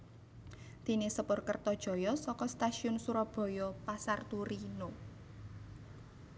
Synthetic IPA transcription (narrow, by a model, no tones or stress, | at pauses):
d̪̥i̤nesəpʊrkərt̪ɔd̥ʒ̥ɔ̤jɔsɔkɔst̪aʃiʊnsuɾɔb̥ɔ̤jɔpasart̪uɾino